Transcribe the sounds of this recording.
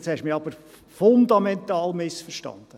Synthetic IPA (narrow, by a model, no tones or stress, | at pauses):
tsɛʃmiɑb̥əɾ | fʊnd̪ɑmɛnt̪ɑːlmɪsfəʃtɑ̰nd̥̪ə